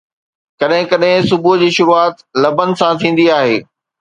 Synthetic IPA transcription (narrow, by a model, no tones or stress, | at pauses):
kɐɗɦɪ̃kɐɗɦɪ̃sʊbud͡ʑiːʃʊɾuaːt̪lɐbənɪ̆sãt̪ʰĩːn̆d̪iaːɦeː